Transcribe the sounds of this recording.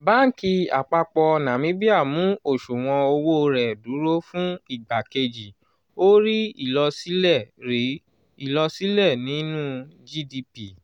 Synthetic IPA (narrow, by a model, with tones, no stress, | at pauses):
ba˦ki˧a̰˨k͡pa˧k͡pɔ˧nã˨mĩ˨˦bi˦a˦˨mũ˨˦o˦˨ʃu˨w̃ɔ̃˧o˧wo˦˧ɾɛ˨du˨˦ɾo˦fũ˦i˦˨ɡ͡ba˨ke˧d͡ʒi˨ | o˦ɾi˦i˦˨lɔ˧si˦lɛ˦˨ɾi˨˦ | i˦˨lɔ˧si˦lɛ˦˨nĩ˨˦nũ˦d͡ʒi˦di˧pi˦˨